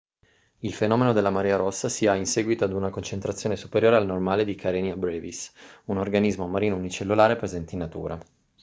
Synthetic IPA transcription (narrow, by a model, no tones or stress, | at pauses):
ilfenɔːmenod̪elːamaɾiːaɾosːasiainsɛːɡwit̪oad̪unakont͡ʃent̪ɾat̪sːjoːnesupeɾjoːɾealnormaːled̪ikʰaɾenjabɾevisunorɡanizmomaɾiːnounit͡ʃelːulaːɾepɾezɛnt̪einːat̪ṵːɾa̰